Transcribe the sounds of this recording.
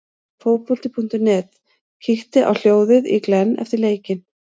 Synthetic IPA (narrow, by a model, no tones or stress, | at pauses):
foːwpfʏlt̪ɪpʰun̥t̪ʏnɛːt̪ | cʰɪxt̪ɪʔa̰wl̥joːwðɪðḭklɛnːɛ̰ft̪ɪɾleːjcɪn